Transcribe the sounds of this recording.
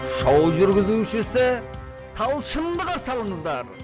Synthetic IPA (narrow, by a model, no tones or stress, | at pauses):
ʃɑwʒʏɾɡʲɪzuʃɪsɪ | t̪ʰɑlˠʃəmd̪əʁɑsɑlˠəɴəzd̪ɑɾ